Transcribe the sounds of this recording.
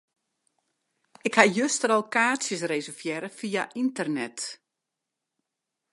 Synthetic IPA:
ɪkhajøstəɾɔlˠkaːsjəs̬resərfjɛɾəfijaʔintərnɛt

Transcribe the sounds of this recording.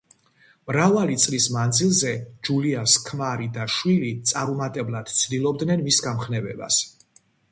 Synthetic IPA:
mɾavalit̪sʼlismand̪zilˠzɛd͡ʒuliaskʰmaɾid̪aʃwilit̪sʼaɾumat̪ʼɛblˠad̪̥t̪sʰd̪ilˠɔb̚d̪nɛnmisɡamχnɛvɛ̰ba̰s

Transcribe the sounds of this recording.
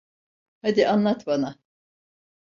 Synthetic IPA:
had̪iʔanlˠat̪bana

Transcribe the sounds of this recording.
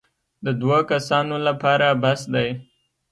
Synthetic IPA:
d̪əd̪wakasɑnolapɑɾabasd̪aj

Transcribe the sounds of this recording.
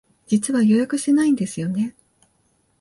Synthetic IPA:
d͡ʑit͡sɨβajo̞jakɯ̟ɕi̥t̪e̞naĩnd̪e̞sɨjo̞ne̞

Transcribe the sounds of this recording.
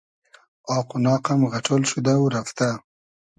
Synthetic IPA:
ɑqʊnɑːqamɣaʈʰolʃud̪awɾaft̪a

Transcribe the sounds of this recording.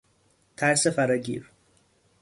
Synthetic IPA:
t̪ʰæɾsefæɾɒɟḭːɾ

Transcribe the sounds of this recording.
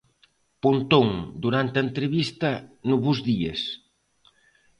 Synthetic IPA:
punt̪oŋd̪uɾant̪ɐent̪ɾeβist̪ɐnuβuzðies

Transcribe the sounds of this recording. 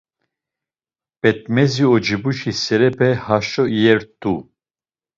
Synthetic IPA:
pɛt̪̚mɛziɔd͡ʒibuʃisɛɾɛpʰɛhaʃɔijɛɾt̪u

